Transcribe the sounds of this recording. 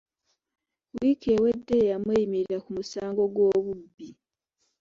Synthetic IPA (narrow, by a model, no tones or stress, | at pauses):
wiːkʰe̞we̞dːe̞jamwejimiɾiɾakumusaːŋɡo̞ɡwo̞ːβubːi